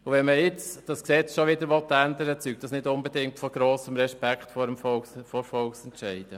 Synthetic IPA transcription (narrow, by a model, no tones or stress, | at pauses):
uʋɛnməjɪt͡sd̥ɑsksɛt͡sʃoʋɪdəɾʋɔtːænd̪əɾət͡syk̚td̥ɑsnɪdʊnbedɪŋtfɔɡ̥ɾoːsəmɾɛʃpækχtfɔɾəmfɔfɔɾfɔlksɛntʃɛɪd̥ə